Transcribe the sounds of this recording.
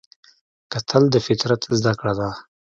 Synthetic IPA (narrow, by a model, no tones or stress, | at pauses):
kat̪ʰəld̪əfɪt̪ɾat̪zd̪akɽad̪a